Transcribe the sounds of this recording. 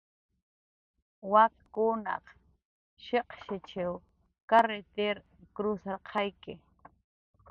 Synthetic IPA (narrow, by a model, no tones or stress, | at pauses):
wakkʊnɑ̰q | ʃeqʃɪt͡ʃɪw | kaɾet̪eɾ | kɾʊsaɾqʰɑjkɪ